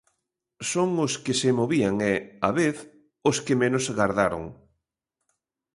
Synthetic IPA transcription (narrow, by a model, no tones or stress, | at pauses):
soŋoskɪsemoβiaŋeaβeθ | oskɪmenosɣaɾðaɾo̰ŋ